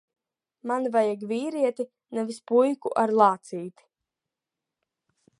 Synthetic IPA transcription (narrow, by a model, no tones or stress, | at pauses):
manvajaɡviːɾiɛt̪i | nɛvispujkuʔaɾlˠaːt̪siːt̪